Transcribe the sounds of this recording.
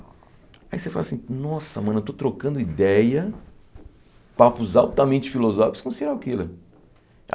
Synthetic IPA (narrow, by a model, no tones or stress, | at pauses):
aisefa̰lasĩnɔsɐmɐ̃nɐt̪ot̪ɾokɐ̃nd̪ʊid̪ɛjɐ | papʊzawt̪ɐmẽt͡ʃɪ̥filozɔfikʊ̥skõsid̪ɛɾakilḛ